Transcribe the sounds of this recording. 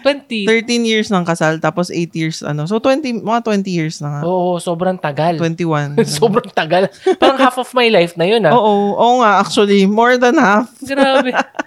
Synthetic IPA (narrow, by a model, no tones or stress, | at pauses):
t̪wɛnt̪it̪ɛɹt̪ĩnjiɹsnɐŋkɐsalt̪aːposʔejt̪jiɹsɐ̰nosot̪wɛnt̪imɐŋat̪wɛnt̪ijiɹsnɐŋaʔoːʔosoːbɾɐŋt̪ɐɡalwɛnt̪iwansoːbɾɐŋt̪ɐɡalpaːɾɐŋhafɔfmajlajfnɐjonaʔoːʔoʔoŋaʔak̚t͡ʃʊɐlimoɹd̪ɐnhafɡɾaːbɛ